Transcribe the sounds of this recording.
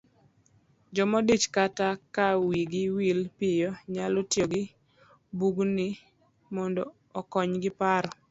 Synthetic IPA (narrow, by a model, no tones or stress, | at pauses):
d͡ʒɔmɔdit͡ʃkatakawiɡɪwilpɪjɔɲalotjoɡɪ | buɡnɪ | mɔndɔ | ɔkɔɲɡɪpaɾɔ